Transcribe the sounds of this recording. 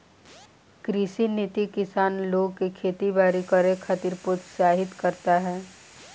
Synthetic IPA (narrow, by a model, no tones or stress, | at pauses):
kɾɪʃinɪt̪ikɪsaːnloːɡkekʰeːt̪ibaːɾikəɾẽkʰat̪iɾpʊt̪saːɦɪt̪kəɾt̪aɦɛː